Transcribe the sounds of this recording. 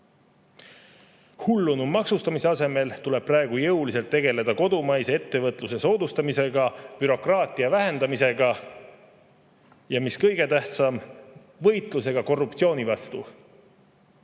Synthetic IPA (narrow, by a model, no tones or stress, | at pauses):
hulːunumɑksust̪ɑmise̞ɑse̞me̞lt̪ule̞b̥̚præeɡ̥ujɤulise̞lt̪ːe̞ɡ̥e̞le̞d̪̥ɑko̞d̪̥umɑjsee̞t̪ːe̞vɤt̪ˑluse̞so̞ːd̪ust̪ɑmise̞ɡ̥ɑpyɾo̞krɑːt̪ˑiɑvæɦe̞nd̪ɑmise̞ɡ̥ɑ | jɑmiskɤjɡ̥e̞t̪æht̪sɑm | vɤjt̪ˑlus̬e̞ɡ̥ɑko̞rːupt̪sio̞ːnivɑst̪u